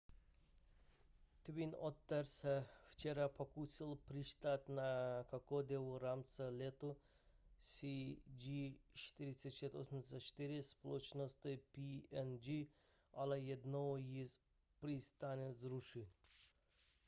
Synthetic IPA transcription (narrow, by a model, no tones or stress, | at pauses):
t̪vinɔt̪ːaɾsɛft͡ʃɛɾapʰokusilˠpɾiʃt̪at̪nakakɔd̪ɛʋɔɾamt̪səlʲɛt̪o | sʲid͡ʒit͡ʃt̪iɾisʲɛʃɛt̪osmsat͡ʃt̪iɾisplˠɔt͡ʃnost̪ɨpiɛnd͡ʒi | alajɛd̪nɔji | pɾist̪anʲɛzɾuʃi